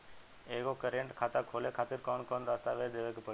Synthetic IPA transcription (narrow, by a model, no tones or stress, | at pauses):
eɡokəɾeɳʈkʰaːt̪akʰoːlekʰaːt̪iɾkɔnkɔnd̪aːst̪aʋed̪eʋekpə